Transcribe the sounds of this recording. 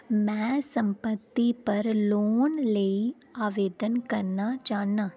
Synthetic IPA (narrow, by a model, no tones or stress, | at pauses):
mɛ̃sɐ̃mpət̪ːipɐɾloːnləi | aːʋeːd̪ənkɐɾnat͡ʃaːnaː